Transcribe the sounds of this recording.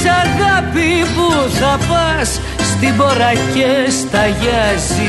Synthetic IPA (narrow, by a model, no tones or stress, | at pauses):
sɐɣɐpipuθɐpɐsː | t̪ibo̞ɾɐcest̪ɐʝɐzi